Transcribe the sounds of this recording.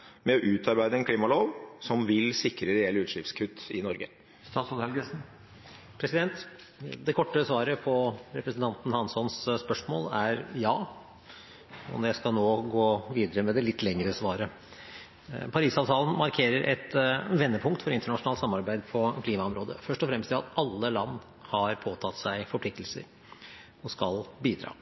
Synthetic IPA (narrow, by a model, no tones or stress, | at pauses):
mɛɔʔʉːt̪ʰɑɾbæɪd̪əɛnkʰliːmɑloːʋsɔmʋɪlsɪkɾəɾɛɛlʉːt̪ʂɪfskʰʉt̪ːɪnɔɾɡə̰ | st̪ɑːt̪sɔhɛlɡəsn̩ | pʰɾɛsɪd̪ɛnt̪ | d̪ɛkʰɔʈːəsʋɑːɾəpʰɔɾɛpɾəsnt̪ʰɑnt̪n̩hɑnsɔnsspœʂmo̰ːlæɾjɑː | ɔ̰md̪ɛskɑlnoːɡoːʋiːd̪əɾəmɛd̪ɛlɪt̪ʰːlɛŋəɾəsʋɑːɾə | pʰɑɾiːsɑːʋt̪ʰɑːlən̩mɑɾkʰeːɾəɾʔɛ̰t̪ʋɛnːəpʰʊŋkt̪fɔɾɪnt̪əɳɑʂʊnɑlsɑmːɑɾbæɪd̪pʰɔkʰliːmɑɔmɾoːd̪ə̰fœʂʈɔfɾɛmst̪ɪɑ̰t̪ɑlːəlɑnː | hɑɾpʰoːt̪ʰɑt̪ːsæɪfɔɾpʰlɪk̚t̪əlsə̰ɾ | ɔskɑlbiːd̪ɾɑ̰ː